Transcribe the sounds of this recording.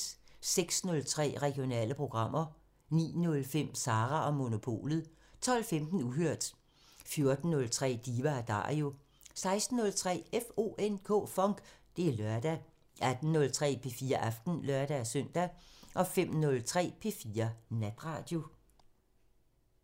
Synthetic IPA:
seɡ̥snɔ̽lt͡sʰʁɛ̰ːʁɛɡ̥io̝nɛ̰ːləpʰʁo̝ɡ̥ʁɑ̈m̰ɐ | nḭːnɔ̽lfem̰sɑ̈ːʁæʔɒ̽mo̝no̝pʰo̝̰ːlð̩ˠ | t͡sʰɒ̽l̰femd̥n̩uɦøɐ̰d̥ | fjo̝ɐd̥n̩ːɔ̽lt͡sʰʁɛ̰ːd̥iːʋææd̥ɑ̰̈ːʁio̝ | sɑ̈ɪsd̥n̩ːɔ̽lt͡sʰʁɛ̰ːefo̝̰ʔenkʰɔ̰̽ːfɒ̽ŋɡ̥d̥e̝lœɐd̥æ | ʔæd̥n̩ːɔ̽lt͡sʰʁɛ̰ːpʰe̝fiːɐʔæfd̥n̩lɶɐd̥æsœn̰d̥æʔɒ̽fem̰nɔ̽lt͡sʰʁɛ̰ːpʰe̝fiːɐnæd̥ʁɑ̈ːd̥jo̝

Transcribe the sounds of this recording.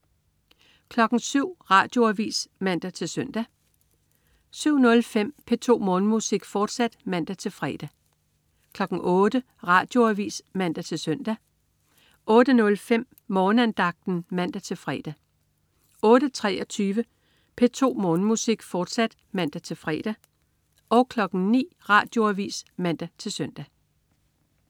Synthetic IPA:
kʰlɒ̽ɡ̥ŋ̩syʊ̰ʁɑ̈ːd̥jo̝æʋḭːsmæn̰d̥æt͡sʰe̝lsœn̰d̥æ | syʊ̰nɔ̽lfem̰pʰe̝t͡sʰo̝̰ːmɔ̽ːnəmusiɡ̥fɒːd̥sæd̥mæn̰d̥æt͡sʰe̝lfʁɛ̰ːd̥æ | kʰlɒ̽ɡ̥n̩ɔːd̥ə | ʁɑ̈ːd̥jo̝æʋḭːsmæn̰d̥æt͡sʰe̝lsœn̰d̥æ | ʔɔ̽ːd̥ənɔ̽lfem̰ | mɒːnəænd̥ɑ̈ɡ̥̚d̥n̩mæn̰d̥æt͡sʰe̝lfʁɛ̰ːd̥æ | ɔ̽ːd̥ət͡sʰʁɛːɒ̽t͡sʰyːʋə | pʰe̝t͡sʰo̝̰ːmɔ̽ːnəmusiɡ̥fɒːd̥sæd̥ | mæn̰d̥æt͡sʰe̝lfʁɛ̰d̥æ | ʔɒ̽ʊkʰlɒ̽ɡ̥n̩nḭːʁɑ̈ːd̥jo̝æʋḭːsmæn̰d̥æt͡sʰe̝lsøn̰d̥æ

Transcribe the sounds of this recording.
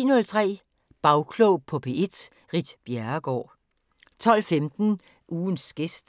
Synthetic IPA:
nɔ̽lt͡sʰʁɛ̰ː | b̥ɑ̈ʊkʰlɔʊpʰɔ̽pʰeʔe̝d̥ | ʁid̥b̥jæɐɡ̥ɒ̰ː | t͡sʰɒ̽l̰femd̥n̩ | ʔuːnsɡ̥esd̥

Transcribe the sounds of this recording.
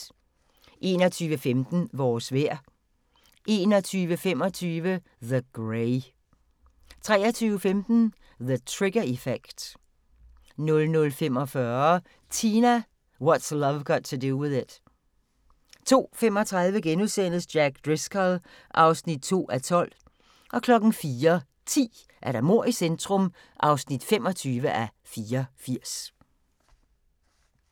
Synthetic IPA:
ʔe̝̰ːnɒt͡sʰyːʋəfemd̥n̩ʋɒːsʋeɐ̰ | ʔe̝ːnɒt͡sʰyːʋəfem̰ɒ̽t͡sʰyːʋə | ðəɡ̥ʁeɪ | t͡sʰʁɛːɐt͡sʰyːʊəfemd̥n̩ | ðət͡sʰʁeɡ̥ɐifeɡ̥d̥ | nɔ̽lnɔ̽lfemɒ̽fɶɐɐ | t͡sʰiːnæ | wɒdslʌʋɡ̥ɒtʰːuduwɪðˠɪd̥ | t͡sʰo̝̰ːfemɒ̽t͡sʰʁäðˠʋəɡ̥enuðˠsen̰sd̥jæɡ̥̚d̥ʁeskʰæl | ʔɑ̈ʊsnid̥̚t͡sʰo̝̰ːæt͡sʰɒ̽l̰ | ʔɒ̽kʰlɒ̽ɡ̥n̩fiːɐ | t͡sʰḭː | ʔæɐɾæmo̝ɐ̰isend̥ʁɔm | ʔɑ̈ʊsnid̥fem̰ɒ̽t͡sʰyːʋəʔæ | fiːɐfiɐ̰s

